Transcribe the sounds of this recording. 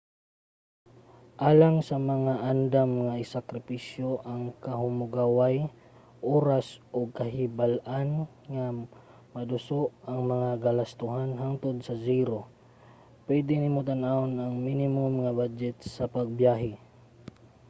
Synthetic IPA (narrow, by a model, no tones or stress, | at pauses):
ʔaːlaŋsɐmɐŋaʔand̪amŋɐɪsakɾɪpisjoʔɐŋkɐɦʊmʊɡawaj | ʔoːɾasʔoɡ̚kɐɦɪbalʔan | ŋa | mɐd̪ʊsoʔɐŋmɐŋaɡɐlɐst̪ʊɦanɦaŋt̪od̪̚sɐziɾo | pwɛd̪ɪnɪmʊt̪anaonɐŋminɪmʊmŋabad͡ʒɛt̪̚sɐpɐɡ̚bjaːɦɪ